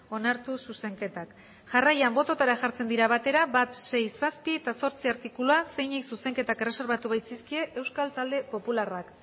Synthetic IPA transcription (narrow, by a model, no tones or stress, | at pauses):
o̞naɾt̪ususe̞ŋke̞t̪ak | ʝarajambo̞t̪o̞t̪aɾaʝaɾt͡se̞nd̪iɾaβ̞at̪e̞ɾabat̪se̞jsaspie̞t̪aso̞ɾt͡siaɾt̪ikuluase̞jɲiksuse̞ŋke̞t̪ake̞re̞se̞ɾβat̪uβajt͡siskie̞ʔe̞wskalt̪ald̪e̞po̞pularak